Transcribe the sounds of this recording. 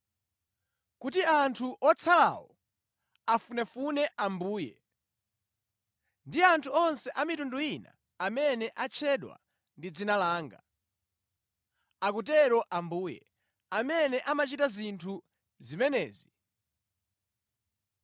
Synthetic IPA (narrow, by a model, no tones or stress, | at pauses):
kutiantʰuʔɔt͡sʰala̰wɔ | afunɛfunɛʔambuːjɛ | ndiantʰuɔnsɛʔamitunduina̰ | amɛnɛʔat͡ʃʰɛɗwa̰ | ndid͡zinalaːŋɡa̰ | akutɛɾɔʔambuːjɛ̰ | amɛnɛʔamat͡ʃitazintʰu | zimɛnɛ̰ːzi